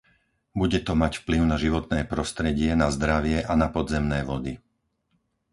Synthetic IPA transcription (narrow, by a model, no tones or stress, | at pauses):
buɟɛt̪ɔmacfpliʊnaʒiʋɔt̪̚nɛːpɾɔst̪ɾɛɟɪɛnazd̪ɾaʋɪɛʔanapɔd̪zɛmnɛːʋɔd̪i